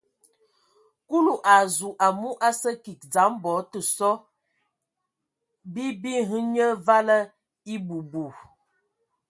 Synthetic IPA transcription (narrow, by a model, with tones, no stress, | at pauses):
ku˦lu˨ʔa˨zu˨ʔa˨mu˦ʔa˦sə˦ki˨k̚d͡za˨˦mbɔ˨˦tə˨sɔ˦ | bi˦bi˦ɦɨ˦ɲə˦va˦lə˦ | i˦bu˨bu˨